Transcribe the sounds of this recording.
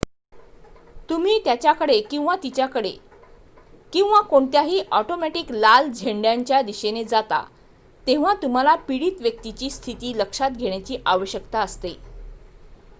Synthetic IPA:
t̪um̤iːt̪jat͡ɕjakəɽekĩw̃ʋat̪it͡ɕjakəɽe | kĩw̃ʋakoɳt̪jaɦiːʔɔʈomɛʈiklald͡ʑʱeɳɖjaɲt͡ɕjad̪iɕened͡zat̪a̰ | t̪ẽʋ̤at̪um̤alapiɽiːt̪ʋjək̚t̪it͡ɕiːst̪ʰit̪iːləkʂat̪̚ɡʱeɳ̃jat͡ɕiːʔaʋəɕjəkt̪aəst̪e

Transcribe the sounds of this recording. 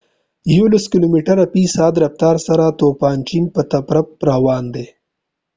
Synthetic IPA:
jolɐskɪlomiʈɐɾɐpisɑːd̪ɾɐft̪ɑːɾsɐɾat̪oːpɑːnt͡ʃimpət̪ɐpɾɐp̚ɾawɑːnd̪e

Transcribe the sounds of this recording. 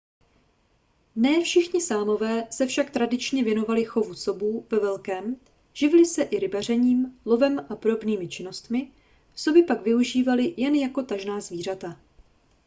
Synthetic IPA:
nɛːfʃɪxɲɪsaːmo̞vɛːsɛfʃakt̪ɾadɪt͡ʃɲɛvjɛno̞valɪxo̞vuso̞buːvɛvɛlkɛːm | ʒ̥ɪvɪlɪsɛʔɪɾɪbar̝ɛɲiːmlo̞vɛmʔapoɾo̞bniːmɪt͡ʃɪno̞st̪mɪ | so̞bɪpaɡvɪuʒiːvalɪjɛnjako̞t̪aʒnaːzviːr̝at̪a

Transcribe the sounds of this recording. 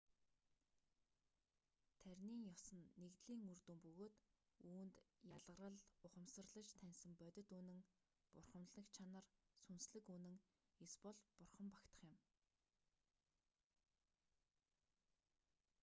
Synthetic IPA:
t̪ʰæɾʲniːŋjɔsə̆nːekt̪ɮiːŋurt̪ŭmpɵɣoːt̪ | uːnt̪jaɮʁə̆rə̆ɮʊχə̆msə̆rɮə̆t͡ɕt̪ʰænʲsə̆mpœt̪ʲɪ̆t̪uːnɘ̆ŋ | pʊrχə̆mɮə̆kt͡ɕʰanə̆rsunsɮɘ̆kuːnɘ̆ŋ | espɔɮpʊrχə̆mpakt̪ə̥̆χjɪ̆m

